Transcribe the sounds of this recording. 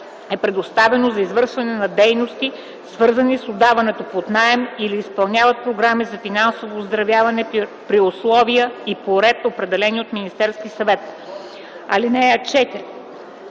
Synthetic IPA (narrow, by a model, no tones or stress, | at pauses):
ɛpɾɛd̪ost̪avɛnozɐizvɤɾʃvɐnɛnɐd̪ɛjnost̪i | svɤɾzɐnisod̪avɐnɛt̪opot̪naɛmiliːspɐlˠnʲjavɐt̪̚pɾoɡɾamizɐfinansovoːzd̪ɾɐvʲjavɐnɛpɾiʊslˠɔvijəipoɾɛt̪opɾɛd̪ɛlɛnʲiot̪minist̪ɛɾskisɐvɛt̪ | ɐ̰linɛət͡ʃɛt̪iɾʲ